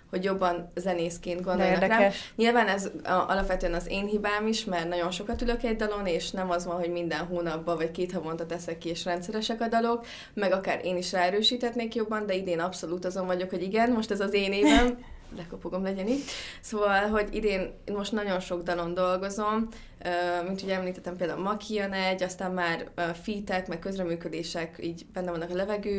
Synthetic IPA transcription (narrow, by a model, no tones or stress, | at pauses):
ho̞ɟjo̞bːɒnzɛneːskeːnd̪ɡo̞ndd̪ojnɒraːɲilvaːnɛzʔɒ̰lɒpʋɛt̪øɛnɒzeːnɦibaːmiʃmɛrnɒɟo̞nʃo̞kɒt̪yløkɛɟd̪ɒlo̞neːʃnɛmɒzʋɒnɦo̞ɟmind̪ɛnɦoːnɒbːɒvɒckeːt̪hɒvont̪ɒt̪ɛsɛkːieːʃrɛnt̪sɛɾɛʃɛkɒd̪ɒlo̞k | mɛɡɒkaːɾʔeːniʃraːɛɾøːʃiːt̪ɛt̪neːkjo̞bːɒnd̪ɛid̪eːnɒpso̞luːt̪ɒzo̞ɱvɒɟo̞kho̞ɟiɡɛnmo̞ʃt̪ɛzɒzeːneːvɛm | lɛkopoɡo̞mlɛɟɛniːɟsoːvɒlɦo̞ɟḭd̪eːnmo̞ʃt̪nɒɟo̞nʃo̞ɡd̪ɒlo̞nd̪o̞lɡo̞zo̞m | øːmint̪hoɟɛmliːt̪ɛt̪ːɛmpeld̪aːulmɒkʰijønɛɟːɒst̪aːmmaːrøfit̪ɛkmɛkkøzrɛmyːkø̞d̪eːʃɛkiːɟbɛnːɛvɒnːɒkɒlɛvɛɡøː